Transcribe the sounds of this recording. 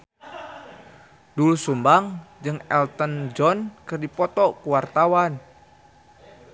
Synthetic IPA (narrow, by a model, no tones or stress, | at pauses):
dulusumbaŋd͡ʒɨŋɛlt̪ənd͡ʒɔnkɨrdipɔt̪ɔkuwart̪awan